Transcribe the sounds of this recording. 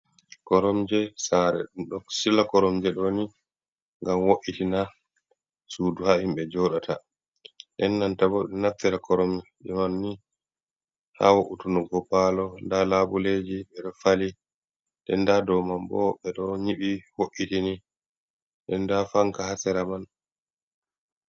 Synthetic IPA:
kɔɾɔmd͡ʒɛsaɾɛ̰ɗɔsilakɔɾɔmd͡ʒɛɗɔni | ŋɡamwoʔːitina | suːduhahimɓɛd͡ʒɔɗatʰa | ɗɛnːantabɔɗɛnaftːɛɾakɔɾɔmd͡ʒɛmanːi | ha̰woʔutunɔɡɔpalɔndalabuled͡ʒiɓɛɗɔfali | ɗɛndadɔmambɔ̰ɓɛɗɔɲiɓiwoʔːitini | ɗɛndafaŋkahasɛɾaman

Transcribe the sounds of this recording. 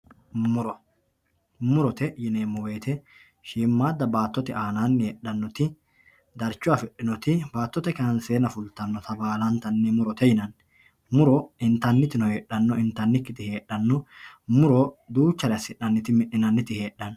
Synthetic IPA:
mʊɾɔ | mʊɾɔt̪ɛjɪneːmɔwe̞ːt̪ʰɛ | ʃiːmːaːd̪ːɐbaːt̪ːɔt̪ɪʔaːnaːnːɛɗːɐnːɔt̪ɪ | d̪ɐɾt͡ʃːʊwafɛɗːɪnɔt̪ɪbaːt̪ːɔt̪ɛkɐnɐnseːnɐfʊlt̪ɐnːɔt̪ʰɐbaːlɐnt̪ɐnːɛmʊɾɔt̪ɛjɪnɐn | mʊɾɔɪnt̪ɐnːɪt̪ɪnɔheːɗːɐnːɔɪnt̪ːɐnːɪkːɪt̪ɪhe̞ːɗːɐnːɔmʊɾɔd̪uːt͡ʃːɐɾɪɐsɪʔːɐnːɪt̪ɪmɪʔːɪnɐnːɪt̪ɪhe̞ːɗːɐn

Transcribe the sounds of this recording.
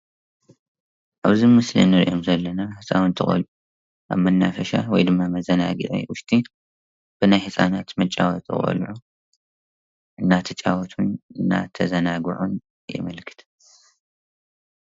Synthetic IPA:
ʔaβzimɨslḭnɨɾiʔo̞mzɐlːɐnahɨsʼawnt̪ʰɨχʼɐ̰lʔu | ʔaβmɐnːafɐʃa̰wɔjd̪ɨmːamɐzɐnaɡɨ̰ʔḭwʊʃt̪ʰʼi | b̥ɨnajhɨsʼanat̪mɐt͡ʃʼawɔt̪ʰɨ̰χʼɐ̰lʕu | ɨnːat̪ʰɐt͡ʃʼawɔt̪ʰunɨnːa̰t̪ʰɐzɐnaɡɨʕun | jɛ̰mɐlkʰɨ̥t̪ʰ

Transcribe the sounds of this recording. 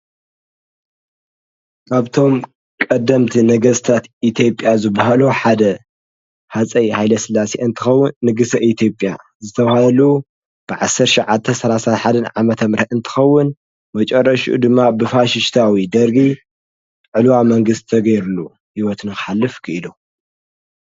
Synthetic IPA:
kaβt̪ʰo̞m | kʼɐd̪ːɐmt̪ʰinɐɡɐst̪ʰat̪ʔit̪ʰijo̞pʼːjazɨbːaɦaluħad̪ɐ | hat͡sʼɐjhajlɐsɨlːaseʔɨnt̪ʰɨxɐwːʊnːɨɡɨsɐʔit̪ʰjo̞pʼja̰ | zɨt̪ʰɐβhaɐlu | b̥ɨʕasɐɾtʃʕat̪t̪ʰːɐsɐlasat̪ħad̪ɐnʕamɐt̪ʰɐmɾɐɨnt̪ʰɨ̥xɐwːʊn | mɐt͡ʃʼɐrːɐʃʔṵd̪ɨmːabɨfaʃɪʃt̪ʰawid̪ɐɾɡi | ʕɨlwamɐŋɡɨst̪ʰːɐɡɐjɾulːu | hiwɔt̪nɨxɨħalːɨfkʰɨʔɨlu

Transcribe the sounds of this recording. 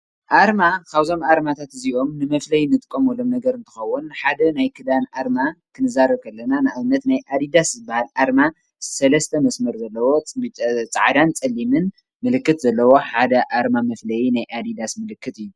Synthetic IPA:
ʔaɾmakʰaβzo̞maɾmat̪ʰat̪ɨziʔo̞mnɨmɐflɐjnɨt̪ʼɨkʼːomɔlo̞mnɐɡɐɾɨnt̪ʰɨ̥xɐwːunħad̪ɐnajkʰɨd̪anaɾmakʰɨnɨzaɾɨβkʰɐlːɐnanɨʔaβɨnːɐt̪najʔad̪id̪aszɨbːahalʔaɾma | sɐlɐst̪ʰɐmɐsmɐɾzɐlːɐwo̞t͡sʼaʕd̪ant͡sʼɐlːimɨn | mɨlɨkːɨt̪zɐlːɐwo̞ħad̪ɐʔaɾmamɐflɐjinajʔad̪id̪asmɨlɨkːɨt̪ɨjːu

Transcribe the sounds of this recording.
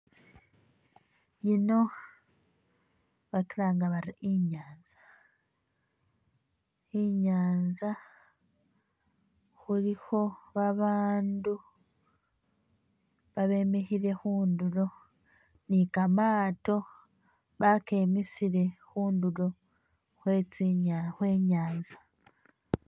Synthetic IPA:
jino̞ | βakiɾaːŋɡaβaɾiʔiɲaːnzḁ | iɲaːnza | xuɾiho̞βaβaːndu | βaβe̞mehiɾe̞xuːnduɾo̞ | nikamaːto̞ | βake̞ːmisiɾe̞xuːnduɾo̞ | xweːt͡siaxweːɲaːnza

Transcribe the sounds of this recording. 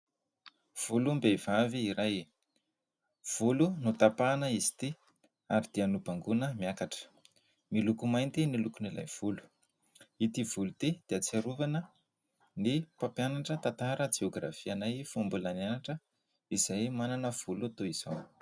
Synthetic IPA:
v̥ulumbevaviːɾaj | v̥ulunut̪apanəizi̥t̪i | aɾid̪̥ianubaŋɡunəmiakaʈ͡ʂə̥ | milukumajnt̪inilukunila̰jv̥ulu̥ | it̪ivulut̪id̪̥eat͡saɾuvanə | nipapjanaʈ͡ʂət̪at̪aɾəd͡ʒeoɡra̰fianajfumbulananaʈ͡ʂə | iz̥ajmananəv̥uluat̪oiz̥aw

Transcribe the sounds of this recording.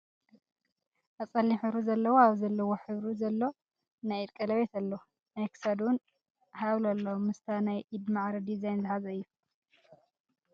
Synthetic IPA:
ʔat͡sʼɐlːiħɨɾuzɐlːɐwoaβzɐlːɐwoħɨβɾuzɐlːo̞ | najt̪kʼɐlɐβet̪alːo | najkʰɨ̥sɐd̪wn | hawlalːomɨst̪ʰɐnajʔid̪maʕɾɐd̪izajnzɨhazɐɨjːu

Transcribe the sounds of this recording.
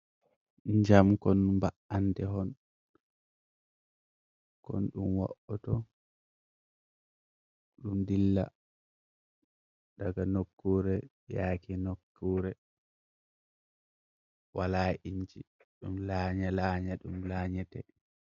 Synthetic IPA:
ɲd͡ʒamkɔnmbaʔandɛɦɔn | kɔ̰nɗumwa̰ʔɔtɔ | ɗumdilːa̰ | daɡanokːuɾɛ | jaːkinokːuːɾɛ | walaʔiɲd͡ʒi | ɗumlaːɲalaːɲaɗumlaɲɛtɛ

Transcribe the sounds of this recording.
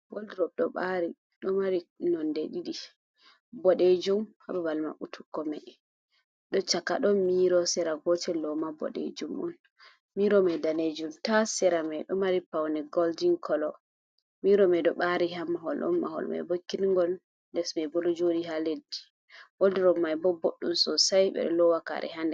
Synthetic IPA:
woldiɾɔb̚ɗɔɓaɾi | ɗɔmaɾinɔndɛɗiɗi | bɔɗed͡ʒumha̰bɛbalma̰ʔutʰu̥kːɔmɛ | ɗɔt͡ʃakːa̰ɗɔmiɾɔsɛɾaɡɔtɛlɔmabɔ̰ɗḛd͡ʒumɔ̰n | miɾɔmɛdaned͡ʒumtasɛɾamɛɗɔmaɾipawnɛɡɔldiŋkʰɔlɔ | miɾɔmɛdɔɓaɾiɦamːaɦɔlʔɔ̰nːa̰hɔ̰lma̰jbɔkːinŋɡɔl | ndɛsmɛbɔlɔd͡ʒodiɦaledːi̥ | woldiɾɔmːajbɔboɗːumsɔsajɓɛ̰ɗɔ̰lɔwaka̰ɾʔɛ̰ɦandɛ

